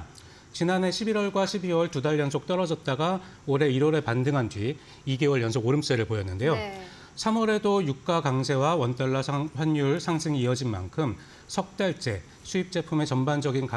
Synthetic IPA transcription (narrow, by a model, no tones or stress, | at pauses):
t͡ɕinane̞ɕʰibiɾwʌɭɡwaɕʰibiwʌɭtudaʎːjʌnsʰok̚t͈ʌɾʌd͡ʑʌt̚t͈aɡa | oɾe̞iɾwʌɾepandɯŋɦandɥi | iɡe̞wʌɭjʌnsʰʌɡoɾɯms͈eɾɯɭpojʌnːɯnde̞jo | sʰamʌɾe̞dojuk̚k͈akaŋsʰe̞wawʌnt͈aɭːaɸwaɲjuɭsʰaŋsʰɯŋiːʌd͡ʑinma̰nkʰɯm | sʰʌk̚t͈aɭt͡ɕ͈e̞ | sʰuip̚t͡ɕ͈e̞pʰume̞t͡ɕʌmband͡ʑʌɡinka